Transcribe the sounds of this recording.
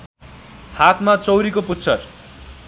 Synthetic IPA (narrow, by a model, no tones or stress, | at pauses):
hat̪ʰmat͡sʌwɾikoput̪st͡sʰʌr